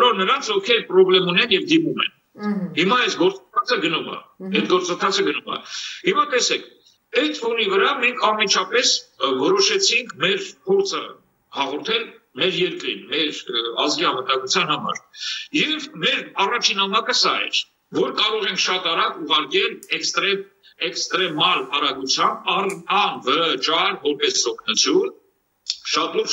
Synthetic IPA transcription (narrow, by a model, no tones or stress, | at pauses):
ɔɾɔɾnəɾɑnt͡sʰɔfkʰɛɾpɾɔblɛmunɛnjɛvd̪imumɛ̰n | himɑɛsɡɔɾt͡sənt̪ʰɑt͡sʰəɡənumə̰ɛt̪ɡɔɾt͡sənt̪ʰɑt͡sʰəɡənumə̰himɑt̪ɛsɛkʰ | ɛt̪ʰfunivəɾɑmɛŋkʰɑnmit͡ʃʰɑpɛsvɔɾɔʃɛt͡sʰiŋkʰmɛɾpʰɔɾt͡sʰə̰ | hɑʁɔɾt̪ʰɛlmɛɾjɛɾkɾḭnmɛɾɑzɡiɑnvət̪ɑŋɡut͡sʰjɑnhɑmɑ̰ɾjɛvmɛɾɑrɑt͡ʃʰinhɑmɑkəsɑɛ̰ɾ | vɔɾkɑɾɔʁɛŋkʰʃɑt̪ɑɾɑkuʁɑɾkɛlɛkst̪ɾɛm | ɛkst̪ɾɛmɑlɑɾɑɡut͡sʰjɑmb̚ɑrɑnvəət͡ʃɑɾvɔɾpɛsɔkʰnut͡sʰjun | ʃɑt̪ɔv